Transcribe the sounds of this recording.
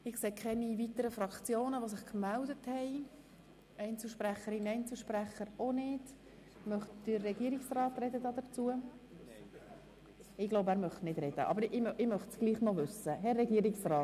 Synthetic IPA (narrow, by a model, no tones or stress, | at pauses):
ɪkseːkʰχɛnivitəɾəfɾɑkt͡sjoːnəʋosɪχkmældəthɛɪ | ɛɪnt͡sl̩ʃpɾæχəɾinɛjnt͡sl̩ˠʃpræχəɾonɪd̥ | mœχtd̥ərːɛɡiəɾiksrɑːtrɛd̪əd̪ɑːd̥̪əɾt͡suə | ɪɡloʊbæːɾmœχtnɪd̥ɾɛd̥ə̰ʔɑ̰bəɾɪʔɪmœχtsɡ̥liːχnɔvʏsəɦɛrːɛɡiəɾɪksrɑːt